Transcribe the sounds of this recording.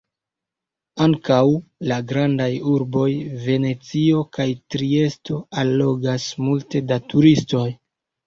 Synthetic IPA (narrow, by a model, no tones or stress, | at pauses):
aŋkawlaɡɾandajuɾbo̞jve̞ne̞t͡sio̞kajtɾie̞sto̞alːo̞ɡasmulte̞datuɾisto̞j